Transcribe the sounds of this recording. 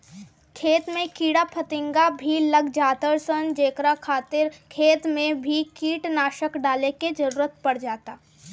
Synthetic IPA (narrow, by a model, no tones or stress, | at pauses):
kʰeːt̪mẽkiːɽapʰət̪ɪ̃ŋɡabʱilɐɡd͡ʒaːt̪əɾsənd͡ʒeːkɾakʰaːt̪ɪɾkʰeːt̪mẽbʱikiːʈnaːʃəkɖaːleked͡ʒɐɾuːɾət̪̚pɐɽd͡ʒaːt̪aː